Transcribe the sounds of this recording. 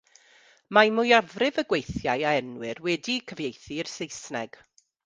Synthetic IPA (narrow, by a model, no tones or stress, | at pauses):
mamʊjavrɪvəɡwejθjajaɛnwɪrwɛdikʰəvjejθiɪrsejsnɛɡ̥